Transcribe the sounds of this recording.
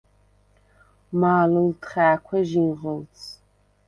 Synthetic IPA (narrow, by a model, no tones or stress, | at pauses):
maːlɨltχaːkʷʰɐʒiʁəlt͡sʰ